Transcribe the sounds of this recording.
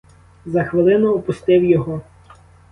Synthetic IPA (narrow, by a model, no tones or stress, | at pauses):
zɐxʋɪlˠɪnʊɔpʊst̪ɪwjɔɦɔ